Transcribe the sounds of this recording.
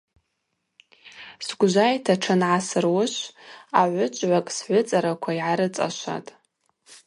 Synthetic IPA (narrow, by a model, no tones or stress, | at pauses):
sɡʷʒʷajtʰaʈ͡ʂʰɨnʕasɨrwʊʃʷaʕʷʊt͡ʃʷʼʕʷakʼsʕʷʊt͡sʼaɾakʷʰaiʕaɾɨt͡sʼa̰ʃʷa̰tʼ